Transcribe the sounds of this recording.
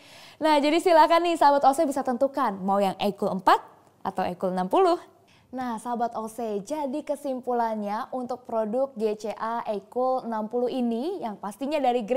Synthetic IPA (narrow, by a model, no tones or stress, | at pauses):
nahd͡ʒadisilakanɪhsabat̪osɛbisat̪ənt̪ukanmaojaŋʔekuləmpat̪̚ | ʔa̰t̪awekulnampulʊh | nahsabat̪osɛd͡ʒadikəsimpulanɲaʔunt̪ʊk̚pɾodʊk̚ɡet͡ʃeʔaʔekulnampulʊɦinijaŋpast̪iɲadaɾiɡɾ